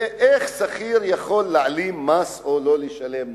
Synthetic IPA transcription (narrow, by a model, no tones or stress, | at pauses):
ʔeχsaχiɾjaχo̞lːaʕalimːasololeʃalem